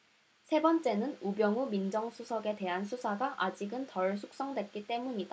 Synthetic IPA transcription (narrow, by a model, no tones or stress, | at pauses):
sʰe̞bʌnt͡ɕ͈e̞nɯnubjʌŋumind͡ʑʌŋsʰusʰʌɡe̞te̞ɦansʰusʰaɡaʔad͡ʑiɡɯntʌɭsʰuk̚s͈ʌŋdwe̞t̚k͈it͈e̞muɲida